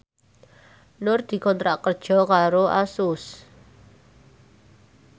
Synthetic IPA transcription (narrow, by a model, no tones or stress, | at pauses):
nʊrd̪̥i̤kɔnt̪ɾaʔkərd̥ʒ̥ɔ̤kaɾoasʊs